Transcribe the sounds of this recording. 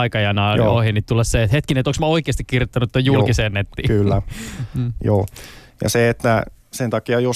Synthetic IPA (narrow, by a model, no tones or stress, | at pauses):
ikɑjɑnɑohinit̪t̪ulːɑsseet̪het̪kinet̪oksmɑoikˑeːst̪ikkirjot̪ːɑnut̪t̪ːojjulkiseːnːet̪ːḭːkylːæː | joː | jɑ̰seet̪ːæ | sent̪ɑkiɑjo